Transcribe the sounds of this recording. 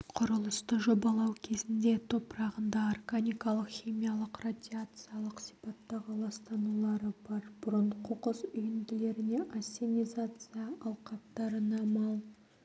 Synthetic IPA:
qʰʊɾəlˠəst̪əʒo̞bɑlˠɑwkʲʰe̞zɪnd̪e̞t̪ʰo̞pɾɑʁənd̪ɑarɡanʲijkɑlˠəqχimijalˠəqrad̪ʲiat̪sɨjalˠəqsi̥pɑt̪ːɑʁəlˠɑst̪ɑnulˠɑɾəbɑɾb̥ʊɾəɴqʰoqəzʏjɪnd̪ɪle̞ɾɪne̞ʔasʲːenʲijzat̪sɨjaʔɑlˠqɑpt̪ɑɾənɑmɑlˠ

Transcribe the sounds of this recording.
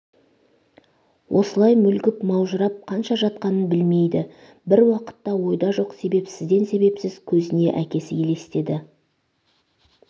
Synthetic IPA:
wʔo̞̰səlˠɑjmʏlɡʲɪpmɑwʒəɾɑp̚qʰɑnʃɑʒɑt̪̚qɑnənbɪlme̞jd̪ɪ | bɪɾwɑqə̥t̪ːɑwo̞jd̪ɑʒo̞qse̞be̞psɪzd̪e̞nse̞be̞psɪz̥kʲʰɵzɪne̞ʔækʲe̞sɪjʲʰe̞le̞st̪e̞d̪ɪ

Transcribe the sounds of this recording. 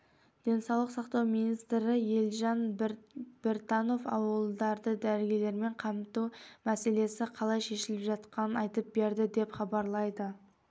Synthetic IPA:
d̪̥e̞nsɑwlˠəqsɑqt̪ɑwmijnijst̪ɾɪje̞lʒɑn | b̥e̞ɾt̪ɑno̞fɑ̰wəlˠd̪ɑɾd̪əd̪æɾɡʲele̞ɾme̞ɴqʰɑmt̪umæse̞le̞sɪqʰɑlˠɑjʃe̞ʃɪlɪpʒɑt̪qɑnənɑjt̪əp̚be̞ɾd̪ɪd̪e̞pχɑbɑɾlˠɑjd̪ə

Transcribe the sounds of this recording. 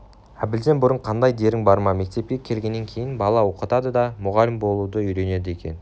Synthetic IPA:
æbɪld̪e̞nbʊɾəɴqʰɑnd̪ɑjd̪e̞ɾɪŋbɑɾmɑme̞k̚t̪e̞p̚kʲe̞kʲʰe̞lɡʲe̞nːe̞ŋkʲʰe̞jɪnbɑlˠɑwo̞qət̪ɑd̪əd̪ɑmʊʁɑlɪmbo̞lˠud̪əʏjɾe̞ne̞d̪ɪe̞kʲe̞̰n

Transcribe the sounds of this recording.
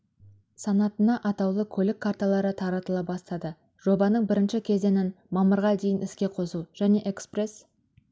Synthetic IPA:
sɑnɑt̪ənɑʔɑt̪ɑwlˠəkʲʰɵlɪkʰːaɾt̪ɑlˠɑɾət̪ʰɑɾɑt̪əlˠɑpbɑst̪ɑd̪ə | ʒ̥o̞bɑnəɴbɪɾɪnʃɪkʲʰe̞ze̞nɪn | mɑməɾʁɑd̪e̞jɪnɪskʲe̞qʰo̞suʒ̥æne̞ʔekspre̞s

